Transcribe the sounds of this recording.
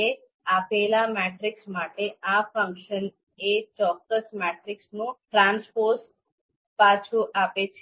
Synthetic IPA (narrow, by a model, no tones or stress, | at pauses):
e | apelamɛʈɾiksmaʈeafə̃ŋkʃən | et͡ʃɔkːəsmɛʈɾɪksnũʈɾanspos | pat͡ʃʰuʔapet͡ʃʰe